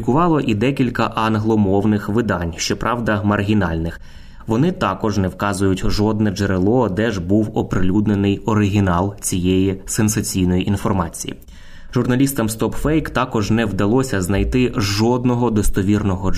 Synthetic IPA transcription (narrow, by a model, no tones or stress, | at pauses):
ikʊʋɑlˠɔʔid̪ɛkʲilʲkɐʔɐnɦlˠɔmɔwnɪxʋɪd̪ɑnʲʃt͡ʃɔpɾʔɑʋd̪ɐmɐrɦʲin̪ɑ̰lʲnɪx | ʋɔnɪt̪ɑkɔʒnɛwkɑzʊjʊtʲʒɔd̪̚nɛd͡ʒeɾelˠɔd̪ɛʒbuwɔpɾɪlʲud̪nenɪjɔɾɪɦʲinɑlˠt͡sʲijejisensɐt͡sʲijnɔjiʔinfɔrmɑ̰t͡sʲijḭ | ʒʊrnɐlʲist̪ɐmst̪ɔpfɛjkt̪ɑkɔʒnɛwd̪ɐlˠɔsʲɐznɐjt̪ɪʒɔd̪nɔɦɔd̪ɔst̪ɔʋʲirnɔɦɔ